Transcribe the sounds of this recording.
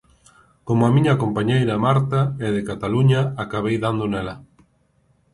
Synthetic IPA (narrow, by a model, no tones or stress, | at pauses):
komʊamĩɲɐkompaɲejɾɐmaɾt̪ɐɛðɪkat̪aluɲɐakaβejðand̪onɛlɐ